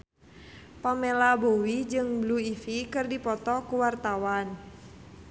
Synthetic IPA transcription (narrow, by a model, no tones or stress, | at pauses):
pamɛlabowid͡ʒɨŋbluifikɨrdipɔt̪ɔkuwart̪awan